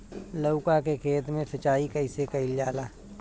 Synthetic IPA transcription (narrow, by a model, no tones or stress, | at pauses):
ləʊkakekʰeːt̪mẽsɐt͡ʃaːikɐɪsekɐɪljaːlaː